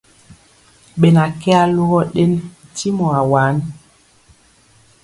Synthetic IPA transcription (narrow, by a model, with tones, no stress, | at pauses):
ɓɛ˨na˨kɛ˦a˦lu˦ɣɔ˦ɗe˦nti˦mɔ˨a˨waː˨˦n